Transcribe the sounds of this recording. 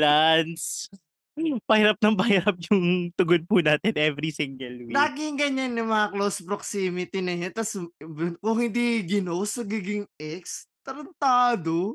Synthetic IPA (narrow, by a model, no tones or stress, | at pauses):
lans̩ | pɐhiɾɐp̚nɐŋpɐhiɾap̚jʊŋt̪ʊɡod̪̚pʊnaːt̪ɛnʔɛvɾisiŋɡɐlwilaːɡɪŋɡɐɲanːɐmɐŋɐklowspɾoksiːmɪt̪inɐjont̪ɐsbkʊŋhɪnd̪iɡɪnowsɐɡiːɡɪŋʔɛkst̪ɐɾɐnt̪aːd̪o